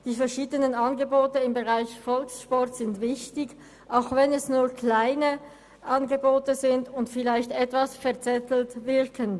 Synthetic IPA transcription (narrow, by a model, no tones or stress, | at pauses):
d̥iːfɛɐʃiːdənənanɡəboːtəɪmbəʁaɪçfɔlksʃpɔʁtz̥ɪntv̥ɪçtɪɡ | ʔaʊxvɛnɛsnuːɐkʰl̥aɪnə | ʔanɡəboːtəzɪndʊntfɪlaɪçtɛtv̥asfɛɐt͡sɛtl̩tvɪʁkʰən